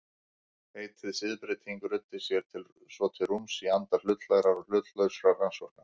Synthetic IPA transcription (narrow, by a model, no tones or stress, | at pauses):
heːjt̪ʰɪðsɪðpɾɪt̪ʰiŋkʏɾʏt̪ːɪ̥sjɛɾ̥t̪ʰɪl | svɔt̪ʰɪlrumsiant̪aɾ̥lʏt̪laɣɾaɾɔl̥ʏt̪lœɥsɾaɾransvɔɾ̥kna